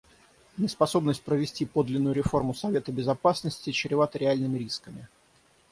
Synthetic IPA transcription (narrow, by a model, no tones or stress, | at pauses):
nʲɪspɐso̞bnəsʲt̚ʲpɾəvʲɪsʲtʲipo̞d̪lʲɪnːʊjʊɾʲɪfo̞rmʊsɐvʲe̞t̪əbʲɪzɐpasnəsʲtʲɪt͡ɕɪɾʲɪvat̪əɾʲɪalʲnɨmʲɪɾʲiskəmʲɪ